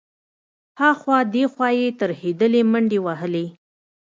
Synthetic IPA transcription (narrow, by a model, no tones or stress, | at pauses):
hɑxwɑd̪exwɑjet̪əɾhed̪əleməɳɖewaɦəle